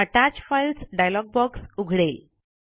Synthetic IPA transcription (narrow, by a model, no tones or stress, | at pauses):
əʈat͡ɕfajlsɖajalɔɡ̚bɔksuɡʱɽel